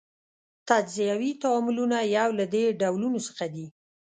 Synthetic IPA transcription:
t̪ad͡ʒzijawit̪awamʊlunajawlad̪eɖawlunosə̥xad̪i

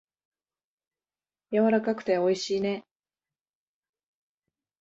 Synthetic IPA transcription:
jaβaɾakakɯ̟̥t̪e̞o̞iɕiːne̞

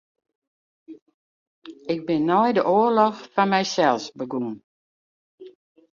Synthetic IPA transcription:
ɪɡ̚bɪnːɔjdəʔoːəlɔxfanmɛjsɛlˠsbəɡun

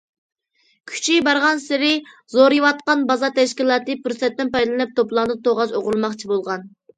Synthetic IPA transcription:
kʲʰy̥t͡ʃʰibɑɾʁɑnsɪɾɪzoɾijwɑt̪̚qɑnbɑzɑt̪ʰɛʃkʲilˠɑːt̪ɨpyɾsɛt̪ːɛnpɑjd̪lˠɨnɨp̚t̪ʰoplˠɑŋd̪ɨt̪ʰoʁɑzoʁʊlˠmɑχt͡ʃʰibolˠʁɑn

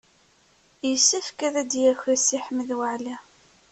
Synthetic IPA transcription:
jəsːæfkæðæd̪jæçæsiħəməðwəʕlæ

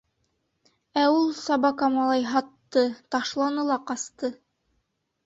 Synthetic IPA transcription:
æulˠsɑbɑkɑmɑlˠɑjɦɑt̪ːɤt̪ɑʃlˠɑnɤ̆lˠɑqɑst̪ɤ

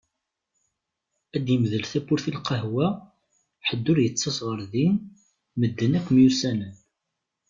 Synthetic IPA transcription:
æd̪jəmðəlθæpːʊɾθilqəɦwæ | ħəd̪ːʊɾjət͡sːɑsʁəɾðin | məd̪ːənækʷːmjusænən

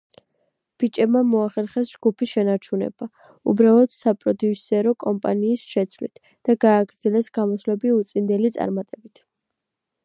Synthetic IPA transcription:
b̥it͡ʃʼɛbmamɔaχɛɾχɛsd͡ʒɡupʰiʃɛnaɾt͡ʃʰunɛ̰ba | ṵbɾalˠɔd̪̥sapʼɾɔd̪iusɛɾɔkʼɔmpʼa̰niːsʃɛt̪sʰvlḭt̪ʰ | d̪̥aɡaːɡɾd̪zɛlɛsɡamɔslɛbiut̪sʼind̪ɛlit̪sʼa̰ɾmat̪ʼɛbit̪ʰ

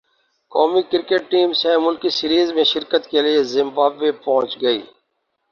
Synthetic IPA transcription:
kɔːmikɪɾkeːʈːiːmsɛ̃mʊlkisiɾiːzmẽʃɪɾkət̪keliezɪmbaːbːepɔɦʊ̃t͡ʃɡəiː

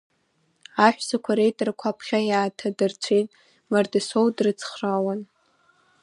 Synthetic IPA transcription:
aħʷᶣsakʷʰaɾejtʼarkʷʰapʰχʲajaːtʰadɨrt͡ɕʷʰejtʼ | mardɨsowdrɨt͡sʰχrawan

